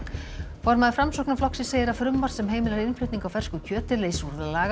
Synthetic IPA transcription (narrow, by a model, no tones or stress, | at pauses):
fɔɾmaðɪfɾamsowhknaflɔksiseːjɪɾafɾʏmːaɾ̥sɛmɦeːjmɪlaɾɪnflʏɥt̪iŋkawfɛr̥skʏcʰœːt̪ɪleːjsuɾðʏlaːɣa